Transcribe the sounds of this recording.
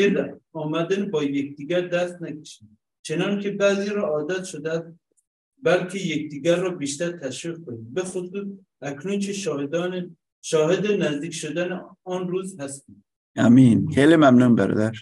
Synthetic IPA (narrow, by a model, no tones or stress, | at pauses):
elɒːmæd̪ænbɒːjek̚ʰʲd̪iːɡæɾd̪æst̪nækʰe̥ʃi | t͡ʃʰe̞nɒnkʲʰe̞bæːziːɾɒːʔɒːd̪æt̪ʃod̪eæst̪ | bælkʰejekd̪iːɡæɾːɒːbiːʃt̪æɾt̪ʰæʃviːq̚kʰoniːd̪bexosuːs | ʔækʰnunkʰeʃed̪ː | ʃɒːɦed̪enæzd̪iːkʃod̪æne | ɒːnruːzhæst̪iː | ʔæmiːnχeːlimæmnunbæ̰ɾɒ̰ːd̪æɾ